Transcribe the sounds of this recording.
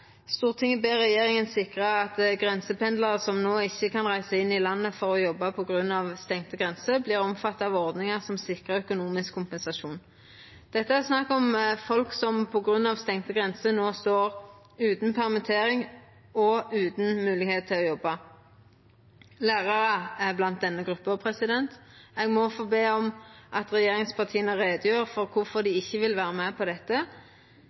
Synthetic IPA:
st̪uːʁt̪ʰɪŋəbeːʁɛjeːʁɪŋənsɪkʁəɑt̪ɡʁɛnsəpɛnd̪ləʁəsɔmnoːɪçːəkɑnʁæɪsəɪnːɪlɑnːəfɔʁɔjɔbːɑpʰɔɡʁʉnːɑʋst̪ɛŋt̪əɡʁɛnsəblɪːʁɔmfɑt̪ːɑːʋɔʁd̪nɪŋəsɔmsɪkʁəœkʊnuːmɪskʰːʊmpɛnsɑʃuːn | d̪̥ɛt̪ːəæsnɑkːɔmfɔlksɔmpʰɔɡʁʉnːɑʋst̪ɛŋt̪əɡʁɛnsənoːst̪oːʁ | ʉːt̪n̩pʰæʁmɪt̪ʰeːɾɪŋ | ɔʉːt̪n̩mʉːlɪɡheːt̪̚t̪ʰːɪlɔjɔbːɑ | læːʁɑɾəɛblɑnt̪̚d̪ɛnːəɡʁʉpːəɔpʰʁɛsɪd̪ɛnt̪ɛɡmɔfoːbeːɔmʔɑt̪ʁɛjeːʁɪŋspʰɑt̪ʰiːənəɾeːd̪əjøːʁfɔɾʁkʰʊfɔd̪ɪɪçːəʋɪlʋæːʁəmæpʰɔd̪ɛt̪ːə

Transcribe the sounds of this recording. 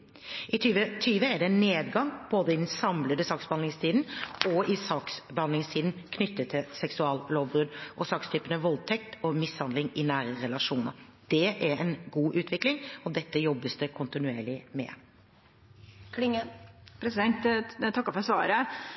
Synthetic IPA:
ʔɪt̪ʰyːʋət̪ʰyːʋəæɖɛnːeːd̪ɡɑŋb̥oːd̪əɪd̪n̩sɑmləd̪əsɑksbəhɑnɪŋst̪ʰiːd̪n̩ɔɪsɑksbəhɑnlɪŋst̪ʰiːd̪n̩kʰnʏt̪ːət̪ʰːɪlsɛksʉɑːlloːʋbɾʉd̪ʔɔsɑkst̪ʰyːpənəʋɔlt̪ʰɛk̚t̪ɔmɪshɑnd̪lɪŋɪnæːɾəɾɛlɑʂuːnə̰ɾd̪̥ɛʔæɾɛnɡuːʔʉːt̪ʰʋɪklɪŋɔd̪ɛt̪ːəjɔbːəsd̪əkʰʊnt̪ɪnʉeːɭɪmɛ̰ | kʰlɪŋəpʰɾɛsɪd̪ɛnt̪t̪ʰɑkːəfɔɾsʋɑːɾə

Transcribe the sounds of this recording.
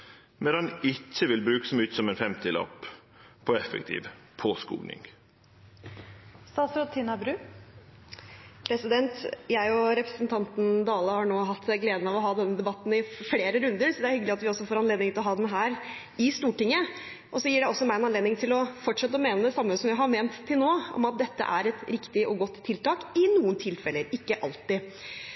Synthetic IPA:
mɛɑnɪçːəʋɪlbɾʉːkə̥sɔmʉːt̪sɔmɛnfɛmt̪ʰɪlɑ̰p | pʰɔɛfɛ̰k̚t̪ʰḭːʋpʰoskṵːnɪ̰ŋ | st̪ɑːsɾʊt̪ʰɪnɑbɾʉː | pʰɾɛsɪd̪ɛnt̪jæɪɔɾɛpɾəsən̩t̪ʰɑnt̪n̩d̪ɑːləhɑɳoːɦɑt̪ːsɪɡleːd̪ənɑʋɔɦɑːd̪ɛnːəd̪ɛbɑt̪ːn̩ɪfleːɾəɾʉnd̪əɾsɔd̪ɛæɾhʏɡəlɪɑt̪ʋɪɔsːɔfoːɾɑnleːd̪ɪŋt̪ɪlɔɦɑːd̪ɛnɦæːɾ | ɪst̪uːʈɪŋːə | ʔɔsɔjiːɖɛɔsːɔmæɪɛnɑnleːd̪nɪŋt̪ʰɪlɔfɔʈʂɛt̪ːəɔmeːnəd̪ɛsɑmːəsɔmʋɪæhɑɾmeːnt̪ʰːɪlnoːɔ̰mɑt̪̚d̪ɛt̪ːə̰ʔæ̰ɾɛt̪ɾɪkt̪ɪʔɔɡɔt̪ʰːɪlt̪ʰɑːkɪnuːənt̪ʰɪlfɛləɾɪkːəʔɑlt̪ɪ

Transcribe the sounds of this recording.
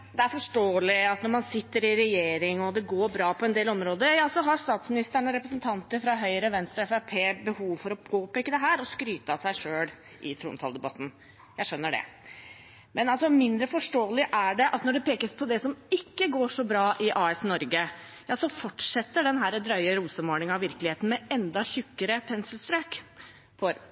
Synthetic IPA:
d̪ɛæɾfɔʂʈoːəlɪɑt̪nɔɾmɑnsɪt̪ːəɾɪɾɛjeːɾɪŋɔd̪ɛɡoːɾbɾɑːpʰɔɛnd̪eːlɔmɾoːd̪əɾjɑːsɔɦɑɾst̪ɑːt̪smɪnɪst̪əɳəɾɛpɾəsnt̪ʰɑnt̪əɾfɾɑɦœʏəɾəʋɛnst̪ɾɑɛfæpʰeːbəhuːʋfɔɾɔɡoːpːɪkːəd̪ɛɦæːɾɔskɾyːt̪ɑsæɪʂøːl | ʔɪt̪ʰɾṵːnt̪ʰɑ̰ːld̪ɛbɑt̪ːn̩ | jæɪʂœnːəɖɛ̰ | mʔɛnɑlsɔmɪnd̪ɾəfɔʂʈoːəlɪʔæɖɛʔɑt̪nɔɖɛpʰeːkəspʰɔd̪ɛsɔmɪkːəɡoːʂɔbɾɑːʔɪʔɑːɛsnɔɾɡəjɑːsɔfɔʈʂɛt̪ːəɖɛnɦæːɾəd̪ɾœʏəɾuːsəmoːnɪŋɑʋɪɾklɪheːt̪n̩mɛɛnd̪ɑçʉkːəɾəpʰɛnsəlst̪ɾøːk | fɔɾ

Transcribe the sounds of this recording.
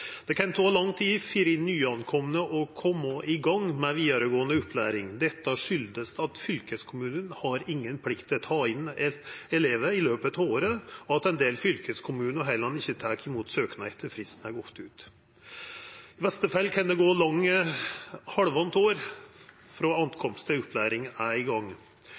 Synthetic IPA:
d̪̥ɛkʰɛnt̪ʰoːlɑŋːt̪ʰiːfiːɾɪnːyːɑnkʰɔmənəʔɔkʰɔmːəʔɪɡɑŋmɛʋiːd̪ɑɾəɡoːənəʊpːlæːɾɪŋd̪ɛt̪ːɑʂʏld̪əst̪ɑt̪fʏlkəskʰʊmʉːnənhɑɾɪŋːənpʰlɪkt̪ʰɪt̪ʰɑːɪnɛɛleːʋəɪløːpət̪ɑʋoːɾəɔɑt̪ɛnd̪eːlfʏlkʰəskʰʊmʉːnəɦæɪlɑnːɪçːət̪ʰæːkɪmuːt̪søːknæɛt̪ʰːəɾfɾɪst̪n̩æɾɡɔt̪ːʉːt̪ | ɪʋɛst̪əfɛlːkʰɑnd̪ɛɡoːlɑŋːə | hɑɽʋɑnt̪oːɾ | fɾoːɑnt̪kʰɔmst̪ɪʊplæːɾɪŋæɾɪɡɑŋː

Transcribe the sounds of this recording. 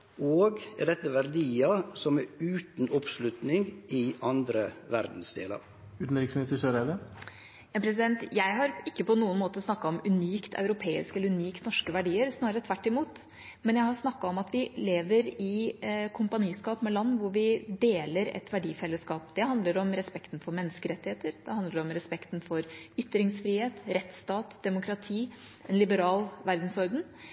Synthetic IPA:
oːɡɛ̰ɖɛt̪ːəʋæɾd̪iːɑsɔmɛɾʉːt̪n̩ɔpslʉt̪nɪŋɪɑnd̪ɾəʋæɾd̪n̩sd̪ḛːlɑ̰ɾ | ʉːt̪n̩ɾɪksmɪnɪst̪əʂøɾɛlə | ɑpʰɾɛs̬ɪd̪ɛnt̪jæɪɦɑɾɪkːəpʰɔnuːənmoːt̪əsnɑkːɑɔmʉniːkt̪ʰɑ̰ʉɾʊpʰeːɪ̰skɛlːəʉniːk̪nɔʂkəʋæɖiːəɾsnɑːɾət̪ʰʋæʈːɪmuːt̪ | mɛnjæɪhɑɾsnɑkːɑɔmɑt̪ʋɪleːʋəɾɪkʰʊmpɑniːskɑːpmɛlɑnːʋʊɾʋɪd̪eːləɾɛ̰t̪ʋæɖiːfɛlːəskɑːp̚d̪̥ɛɦɑnd̪ləɾɔmɾɛspɛkt̪n̩fɔɾmɛnːəskəɾɛt̪ːɪheːt̪əɾd̪̥ɛhɑnd̪əɖɛɔmɾɛspɛkt̪n̩fɔɾʏt̪ːɾɪŋsfɾiːheːt̪ɾɛt̪st̪ɑːt̪d̪̥ɛmʊkɾɑt̪ʰiːɛnlɪbəɾɑːlʋæɾd̪n̩sɔɾd̪ən

